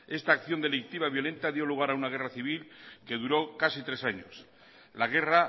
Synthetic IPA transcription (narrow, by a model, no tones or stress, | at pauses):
e̞st̪aːkθjo̞nd̪e̞lik̚t̪iβaβjo̞le̞nt̪aðjo̞luɣ̞aɾaunaɣ̞e̞raθiβ̞ilke̞ðuɾo̞kasit̪ɾe̞saɲo̰s | laɣ̞e̞ra